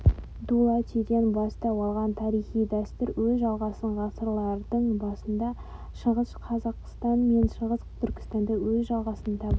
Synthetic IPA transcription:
d̪ulˠɑt̪ʰed̪enbɑst̪ɑwɑlˠʁɑnt̪ʰɑɾijχijd̪æst̪ɪɾwɵzʒɑlˠʁɑsəɴʁɑsəɾlˠɑɾd̪əɴbɑsənd̪ɑ | ʃəʁəsqʰɑzɑqst̪ɑnme̞nʃəʁəst̪ʰʏɾkʲɪ̥st̪ɑnd̪ɑwɵzʒɑlˠʁɑsənət̪ʰɑbə

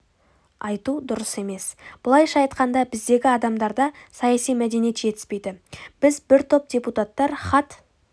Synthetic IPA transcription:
ɑjt̪ud̪ʊɾəse̞me̞sb̥ʊlˠɑjʃɑɑjt̪qɑnd̪ɑbɪzd̪e̞ɡʲɪɑd̪ɑmd̪ɑɾd̪ɑsɑjɑsijmæd̪e̞nije̞t̪ʒe̞t̪ɪ̥spe̞jd̪ɪb̥ɪzbɪɾt̪ʰo̞p̚d̪ʲe̞put̪at̪ːɑɾχɑt̪

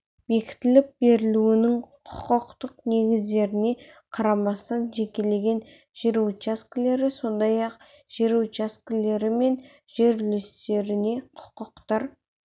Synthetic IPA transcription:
be̞kʲɪ̥t̪ɪlɪp̚be̞ɾɪluwɪnɪŋqʰʊ̥qəqt̪əqne̞ɡʲɪzd̪e̞ɾɪne̞qʰɑɾɑmɑst̪ɑnʒe̞kʲele̞ɡʲe̞n | ʒ̥eɾuwt͡ʃaskʲɪle̞ɾɪso̞nd̪ɑjɑq̚ | ʒ̥eɾut͡ʃaskʲɪle̞ɾɪme̞n | ʒe̞ɾlest̪e̞ɾɪne̞qʰʊ̥qəqt̪ɑɾ

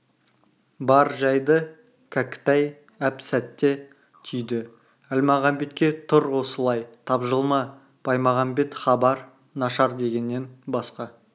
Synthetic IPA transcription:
bɑɾʒɑjd̪ə | kʰækʲɪ̥t̪ɑj | æpsæt̪ːe̞ | t̪ʰʏjd̪ɪ | ælmɑʁɑmbe̞t̪kʲe̞t̪ʰʊɾwo̞səlˠɑjt̪ʰɑbʒəlˠmɑ | b̥ʰɑjmɑʁɑmbe̞t̪χɑbɑɾ | nɑʃɑɾd̪e̞ɡʲe̞nːe̞nbɑsqɑ

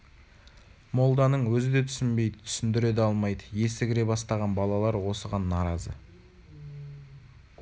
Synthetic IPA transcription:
mo̞lˠd̪ɑnəɴwɵzɪd̪e̞t̪ʰʏ̥sɪnbe̞jd̪ət̪ʰʏ̥sɪnd̪ɪɾe̞d̪ɑlˠmɑjd̪əje̞sɪɡʲɪɾe̞bɑst̪ɑʁɑnbɑlˠɑlˠɑɾwo̞səʁɑnːɑɾɑzə̰

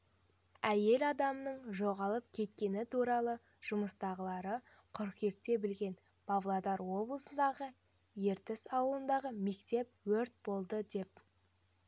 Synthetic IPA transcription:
æje̞lɑd̪ɑmnəɴʒo̞ʁɑlˠəp̚kʲʰe̞t̪kʲe̞nɪt̪ʰuɾɑlˠə | ʒ̥ʊməst̪ɑʁəlˠɑɾə | qʰʏɾqje̞k̚t̪e̞bɪlɡʲe̞n | pʰavlˠad̪ɑɾwo̞blˠəsənd̪ɑʁə | je̞ɾt̪ɪsɑwəlˠənd̪ɑʁəme̞kt̪e̞p̚wɵɾt̪̚bo̞lˠd̪əd̪e̞p̚

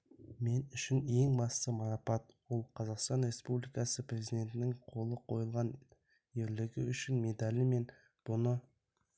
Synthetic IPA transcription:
me̞nʏʃɪne̞ŋbɑst̪əmɑɾɑpɑt̪wo̞lˠqʰɑzɑqst̪ɑnɾe̞spublijkɑsəprʲe̞zid̪ʲe̞nt̪ɪnɪŋqʰo̞lˠəqʰo̞jəlˠʁɑn | e̞ɾlɪɡʲɪʏʃɪnme̞d̪alʲime̞n | b̥ʊnə

